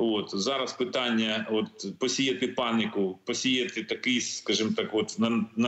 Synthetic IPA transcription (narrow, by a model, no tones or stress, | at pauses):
ʋot̪zɑɾɐspɪt̪ɑnʲːɐot̪pɔsʲijɐt̪ɪpɑnʲɪkʊpɔsʲijɐt̪ɪt̪ɐkɪjskɑʒɨmt̪ɑkʋot̪nɐnɐ